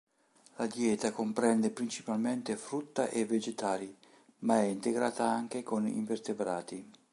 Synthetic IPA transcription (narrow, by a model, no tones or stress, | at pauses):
lad̪jɛːt̪akompɾɛnd̪epɾint͡ʃi̥palment̪efɾut̪ːaʔevːed͡ʒet̪aːli | maɛint̪eɡɾaːt̪aaŋk̟ekonḭɱvert̪ebɾaːt̪i